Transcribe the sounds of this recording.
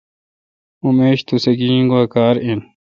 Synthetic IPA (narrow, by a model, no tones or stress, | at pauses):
umeːɕt̪useɡĩːŋɡuɐkaːɾin